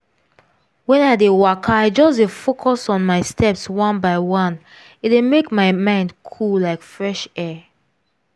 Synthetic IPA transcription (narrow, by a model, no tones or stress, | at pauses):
wɛ̃naɪdewakʰaaɪd͡ʒɔsdefokʰɔsɔ̃nmaɪstʰɛpswɔ̃nbaɪwɔ̃n | it̚emekmaɪmãɪ̃ndkʰullaɪkfɹɛʃɛ